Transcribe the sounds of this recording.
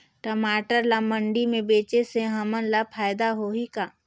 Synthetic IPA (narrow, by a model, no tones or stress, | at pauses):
ʈəmaːʈəɾlamə̃ɳɖimẽbeːt͡ʃeseɦɐmənlapʰaːjd̪aɦoɦikaː